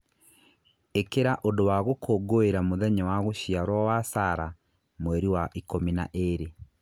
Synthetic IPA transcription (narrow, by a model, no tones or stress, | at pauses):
ekeɾaʔodowaɣokʰoːɡoeɾamoðɛɲɔwaɣoɕiaɾwɔwasaɾa | mwɛɾiwaʔikomina̰ʔeɾe